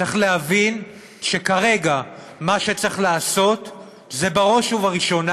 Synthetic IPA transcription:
eχleɦavin | ʃe̞kaʁe̞ɡa | maʃet͡seχlaːso̞t | zebaʁo̞ʃuvaʁiʃo̞na

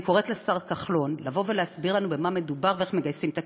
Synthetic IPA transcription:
ko̞ʁet̪lesaʁkaχlo̞nlavo̞ve̞leasbiʁlanube̞mame̞dubaʁvee̞χmeɡajsimt̪a

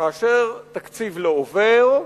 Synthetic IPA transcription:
aːʃeʁt̪akt͡sivleoveʁ

